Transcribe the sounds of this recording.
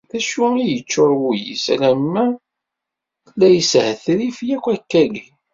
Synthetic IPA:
θæʃuijət͡ʃːʊɾˤwujḭslæmːæ | læjəshəθɾifjækʷːækːæli

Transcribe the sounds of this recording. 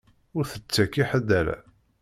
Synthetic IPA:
ʊɾθət͡sːækiħəd̪ælæ̰

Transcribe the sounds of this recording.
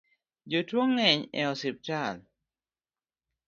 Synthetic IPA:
d͡ʒotwɔŋːɛɲɛ̰ɔsɪp̚tal

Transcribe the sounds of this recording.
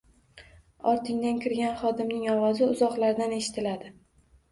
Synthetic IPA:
ɒɾt̪ʰɪŋd̪ankʲʰɪɾɡʲanχɒd̪ɪmnɪŋɒwɒzɪʊzɒqlaɾd̪ane̞ʃɪ̥t̪ʰɪlad̪ɪ

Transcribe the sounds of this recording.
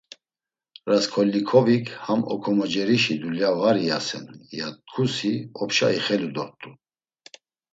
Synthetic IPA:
ɾaskʰɔlːikʰɔvikʰhamɔ̰kʰɔmɔd͡ʒɛɾiʃid̪uljavaɾijasɛ̰njat̪̚kʰusiɔpʃa̰iχɛlud̪ɔɾt̪ʼu

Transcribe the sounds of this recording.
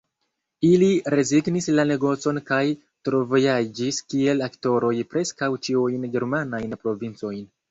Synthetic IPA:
iliɾe̞ziɡnislane̞ɡo̞t͡so̞nkaj | tɾo̞vo̞jad͡ʒiskie̞lakto̞ɾo̞jpɾe̞skawt͡ʃiujnɡe̞ɾmanajnpɾo̞vint͡so̞jn

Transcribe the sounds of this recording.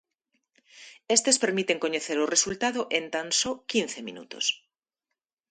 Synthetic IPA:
est̪espeɾmit̪eŋkoɲeθeɾoresult̪að̞oʔent̪ansokinθemḭnṵt̪os

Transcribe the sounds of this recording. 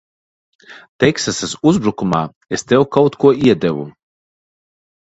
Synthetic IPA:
t̪ɛksasasuzbɾukumaː | est̪ɛwkawt̪kuɔiɛd̪ɛvu

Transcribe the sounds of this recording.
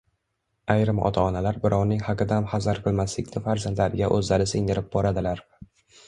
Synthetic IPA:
ajɾɪmɒ̰t̪ʰaɒnalaɾbɪɾɒwnɪŋhaqɨd̪amhazaɾqʰɨlˠmaslɪkʲnɪfaɾzand̪laɾɪɡʲaʔɵzlaɾɪsɪŋd̪ɪɾɪp̚bɒɾad̪ɪlaɾ

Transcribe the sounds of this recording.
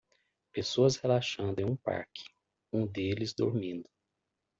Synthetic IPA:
pesoɐshelaʃɐ̃nd̪ʊẽũpa̰ɾkʰɪ̥ | ũd̪elɪzd̪oɾmĩnd̪ʊ

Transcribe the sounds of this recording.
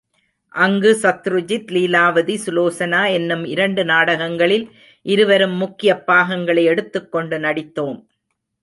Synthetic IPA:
ʔɐŋɡɯsɐt̪ːɾɯd͡ʒɪt̪liːlaːʋɐðisʊloːsɐnaːɛnːɯmɪɾɐɳɖɯnaːɽɐɣɐŋɡɐɭɪl | ʔɪɾɯʋɐɾɯmːʊkːɪjɐpːaːɣɐŋɡɐɭɐɪɛɽɯt̪ːɯkːɔɳɖɯnɐɽɪt̪ːoːm

